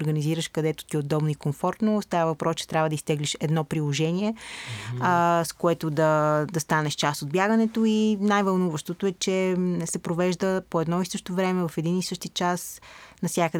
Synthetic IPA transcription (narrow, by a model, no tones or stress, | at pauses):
ɾɡəniziɾəʃkɐd̪ɛt̪o̥t̪iod̪ɔbnoikomfɔɾt̪nost̪ajvɐpɾɔst͡ʃɛ̥t̪ɾʲavəd̪ɐist̪ɛɡliʃɛd̪nɔpɾilˠoʒɛniɛ | skoɛt̪od̪ɐd̪ɐst̪anɛʃt͡ʃast̪od̪̚bʲjaɡənɛt̪oinajvɐlˠnuvəʃt̪ot̪oɛt͡ʃɛsɛpɾovɛʒd̪əpoɛd̪nɔisəʃt̪ovɾɛmɛvɐfɛd̪inisəʃt̪it͡ʃasnɐfsʲjakəd̪